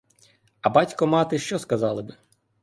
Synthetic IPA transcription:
ɐbɑtʲkɔmɑt̪ɪʃt͡ʃɔskɐzɑlˠɪbɪ

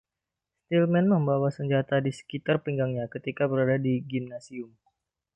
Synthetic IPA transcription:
st̪ilmɛnməmbawasəɲd͡ʒat̪adisə̥kit̪arpiŋɡaŋɲakət̪ikabəɾadadiɡimnasiʊm

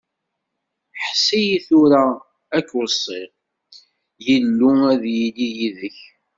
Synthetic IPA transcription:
ħsːijiθuɾæ | ækːwəsˤːɪʁ | jəlːuæðjilijiðəç

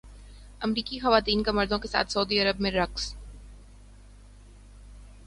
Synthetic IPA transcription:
ɐmɾiːkixɐʋaːt̪iːnkemɐɾd̪õkesa̰ːt̪ʰsɐuːd̪iɐɾəbmẽɾɐks

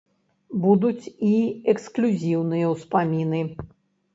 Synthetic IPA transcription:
bud̪ut͡sʲiɛksklʲuzʲiwnɨjɐwspamʲinɨ

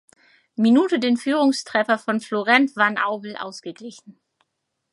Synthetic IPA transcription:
minuːtədeːnfyːʁʊŋstʁ̥ɛfɐfɔnfloʁɛntv̥anʔa̰ʊbl̩ʔa̰ʊsɡ̥əɡlɪçn̩

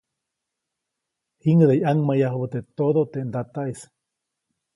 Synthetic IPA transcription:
hiŋɡəd̪eiaŋmajaɦoβət̪et̪oðot̪eʔnd̪at̪ais

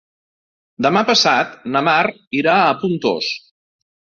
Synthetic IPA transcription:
d̪əmapəsat̪nəmar | iɾaəpunt̪o̰s

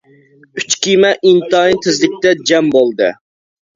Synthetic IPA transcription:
yt͡ʃkʲimɛʔint̪ɑint̪ʰɪzlɪk̚ʲt̪ɛd͡ʒɛmbolˠd̪ɨ̰

